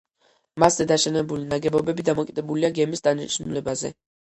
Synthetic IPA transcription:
maszɛd̪aʃɛnɛbulinaɡɛbɔbɛbid̪amɔkʼid̪ɛbuliaɡɛmisd̪aniʃnulɛbazɛ̰

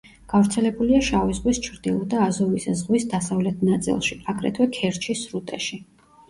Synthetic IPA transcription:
ɡ̥avɾt̪sʰɛlɛbuliaʃavizʁwist͡ʃʰɾd̪ilˠɔd̪aːzɔviszʁwisd̪asavlɛt̪ʰnat̪sʼḭlˠʃiaɡɾɛ̰t̪ʰwɛkʰɛɾt͡ʃʰisɾut̪ʼɛʃi

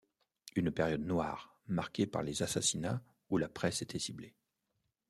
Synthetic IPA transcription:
ynpɛʁjɔd̪nwa̰ːʁ | maʁkʲepa̰ʁlezasasina | ulapχɛset̪ʰɛsible

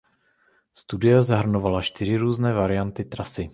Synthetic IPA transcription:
st̪udɪjazaɦr̩no̞valaʃt̪ɪɾ̝ɪɾuːznɛːvaɾɪjant̪ɪt̪ɾasɪ

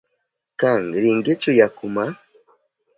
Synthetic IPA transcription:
kaŋɾiŋɡet͡ʃujakuma

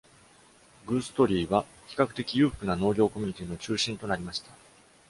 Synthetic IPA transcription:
ɡɯ̟ːsɨ̥t̪o̞ɾʲiːβa | çʲi̥kakɯ̟̥t̪e̞kʲijɯ̟ːɸɯ̥kɯ̟nano̞ːɾʲo̞ːko̞mʲi̟ɲ̟it̪ʲiːno̞t͡ɕɨːɕĩnt̪o̞naɾʲimaɕi̥t̪ḁ

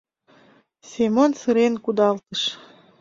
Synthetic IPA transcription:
semonsɨɾenkud̪ɑlt̪əʃ

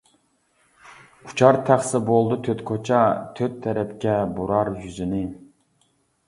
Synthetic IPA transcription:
u̥t͡ʃʰɑɾt̪ʰæχsɪbolˠd̪ut̪ʰøt̪kʰot͡ʃʰɑt̪ʰøt̪ʰːɛɾɛpkʲɛbuɾɑɾjyzynɪ

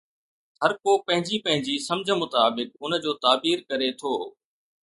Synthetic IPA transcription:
hɐɾkoːpɐ̃ɦɪ̃ɲd͡ʑipɐ̃ɦɪ̃ɲd͡ʑiːsɐmd͡ʑʱə̆mʊt̪aːbɪk̚ʊn̆d͡ʑoːt̪aːbiːɾkɐɾet̪ʰoː

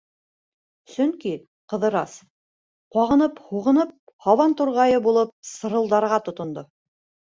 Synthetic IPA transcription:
sɵŋki | qɤ̆ðɤ̆ɾɑs | qwɑʁɤ̆nɤphuʁɤ̆nɤp̚ | hɑwɑnt̪uɾʁɑjɤbulˠɤp̚sɤ̆ɾɤ̆lˠd̪ɑɾʁɑt̪ŏt̪ŏnd̪o

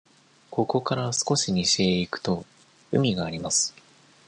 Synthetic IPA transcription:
ko̞ko̞kaɾasɨ̥ko̞ɕiɲiɕeːikɯ̟̥t̪o̞ | ɯ̟mʲiɡaːɾʲimasɨ̥

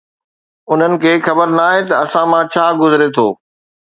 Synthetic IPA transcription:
ʊn̤ənɪ̆kʰeːxɐbəɾnaːɦet̪ɐɐsãmãːt͡ɕʰaːɡʊzɪɾet̪ʰoː

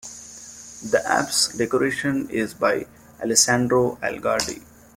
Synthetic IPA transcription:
d̪əʔæ̰psɖekoɾeːʃə̃nɪzbaɪ | æ̰lɪsæ̃ːɳɖɾoːʔæ̰lɡaːɾɖḭ

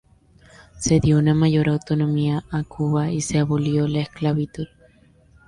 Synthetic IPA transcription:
se̞ðjo̞unamaʝo̞ɾawt̪o̞no̞miaakʰuβaiseaβoljo̞laesklaβit̪uð

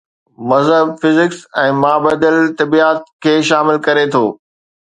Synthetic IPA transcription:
mɐzɦəbfɪzɪksɛ̃ːmaːbɐd̪əlt̪ɐbiaːt̪̚kʰeːʃaːmɪlkɐɾet̪ʰoː

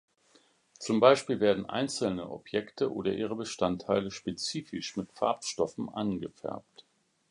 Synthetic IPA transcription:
t͡sʊmbaɪʃpiːlveːɐdn̩ʔa̰ɪnt͡səl̩nəʔɔ̰pjɛktəʔo̰ːdɐʔiːʁ̞əbəʃtantʰːaɪləʃpet͡siːfɪʃmɪtfa̰ɐpʃtɔfn̩ʔanɡəfɛ̰ɐp̚t

